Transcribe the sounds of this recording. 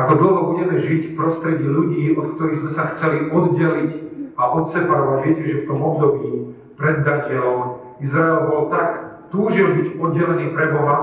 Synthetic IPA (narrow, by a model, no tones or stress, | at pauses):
akɔd̪l̩ɦɔbuɟɛmɛʒicffpɾɔst̪ɾɛɟɛʎuɟiːʔɔt̪k̚t̪ɔɾiɣzmɛsaxt͡sɛliʔɔd̪ɟɛlicaʔɔt̪sɛpaɾɔʋaɟʋɪɛcɛʒɛft̪ɔmɔbd̪ɔbiː | pɾɛd̪ːaɲɪɛlɔm | izɾaɛlbɔlt̪akt̪uːʒɛmbicɔd̪̚ɟɛlɛniːpɾɛbɔɦa